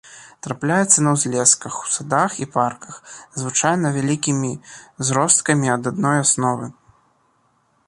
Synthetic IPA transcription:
t̪ɾaplʲajɛt̪sːɐnɐwzʲlʲɛskɐxu̥sad̪axiparkɐxzvɨt͡ʂajnɐvʲalʲikʲimʲizɾɔst̪̚kɐmʲiɐd̪ad̪nɔjasnɔvɨ

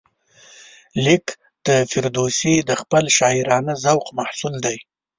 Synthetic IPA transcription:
lɪk | d̪̥əfɪɾd̪osid̪əxpəlʃɑɪɾɑnazawqmahsuld̪aj

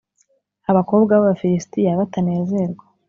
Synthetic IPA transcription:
aβako̞ːbɡaβaβafiɾistijaβatane̞ːze̞ɾɡwa

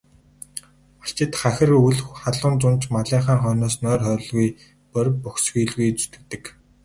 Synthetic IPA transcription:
ḁɬt͡ɕɪ̆t̪χaxʲɪ̆ruɮxχaɮʊːnt͡sʊnt͡ɕmaɮiːɴχaːŋχœːnɔːsnœːrœːɾ̆ɮɣuj | pœɾʲpɔxsɡujɮɣujt͡sɵ̥t̪ɘ̆k̚t̪ɘ̆k

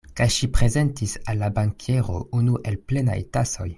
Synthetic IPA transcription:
kajʃipʁezentisalːabaŋkʰeʁo̰unuʔelplena̰jtaso̞̰j

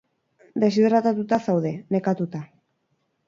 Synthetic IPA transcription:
d̪e̞siðɾat̪at̪ut̪asawðe̞ne̞kat̪ut̪a

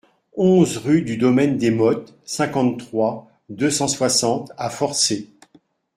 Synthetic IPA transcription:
ɔ̃zʁyd̪yd̪ɔmɛnd̪emɔt̪ | sɛ̃kɑ̃t̪t̪ːχwa | d̪øsɑ̃swasɑ̃t̪afɔʁse

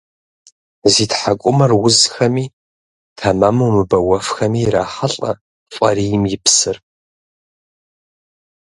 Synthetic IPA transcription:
zitħakʷʼʊmɐrwʊzxɐmiː | tʰɐmɐmuwmɨbɐwɐfxɐmiːɾa̰ːħaɬʼɐ | fʷʼɐɾijɪmjɪpsɨr

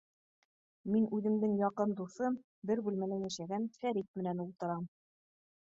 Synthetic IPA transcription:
minʉðɘ̆md̪ɘŋjɑqɤnd̪uθɤm | bɘɾbʉlmænænjæ̆ʃæɡænfæɾit̪̚mɘ̆nænulˠt̪ɤ̆ɾɑm

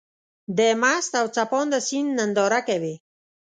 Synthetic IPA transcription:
d̪emast̪awt͡sapɔnd̪əsinːənd̪ɔɾakawe

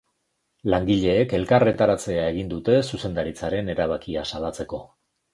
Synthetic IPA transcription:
laŋɡiʎe̞ːke̞lkare̞t̪aɾat͡se̞ae̞ɣind̪ut̪e̞suse̞nd̪aɾit͡saɾe̞ne̞ɾaβ̞akiasalat͡se̞ko̞

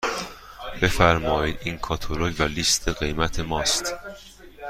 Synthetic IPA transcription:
b̥e̞fæɾmɒːjiːd̪iːnkʰɒːt̪ʰoɾoːjvælist̪ʰeɣe̞jmæt̪ʰe̞mɒːst̪

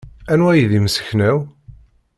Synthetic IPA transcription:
ænwæjiðiməsə̥çnæw

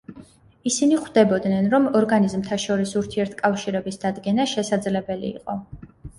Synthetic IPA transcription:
isiniχwd̪ɛbɔd̪nɛnɾɔmɔɾɡanizmt̪ʰaʃɔɾisuɾt̪ʰiɛɾt̪ʰkʼafʃiɾɛbisd̪ad̪ɡɛnaʃɛsad̪zlɛbɛlḭːqʼɔ

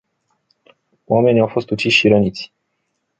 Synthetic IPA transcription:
wame̞niawfo̞st̪ut͡ʃisʲʃiɾənit̪sʲ

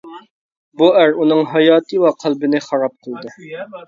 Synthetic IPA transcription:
buæɾunɨŋɦɑjɑːt̪ʰɨwɑqʰælˠbɪnɪχɑɾɑp̚qʰəlˠd̪ɨ

